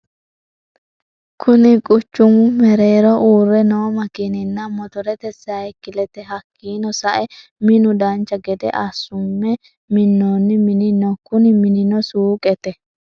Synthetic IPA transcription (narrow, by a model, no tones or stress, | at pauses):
kʰʊnɪkʼʊt͡ʃːʊmʊmɛɾe̞ːɾɔʔuːrːɛnoːmɐkɪnɪnːɐmɔt̪ɔɾɛt̪ɛsːɐjkːɪlɛt̪ɛɦɐkːiːnɔsɐʔɛ | mɪnʊd̪ɐnt͡ʃːɐɡɛd̪ɛ̰ʔɐsːʊmːɛ | mɪnːoːnːɪmɪnɪnɔkʊnɪmɪnɪnɔsuːkʼɛt̪ɛ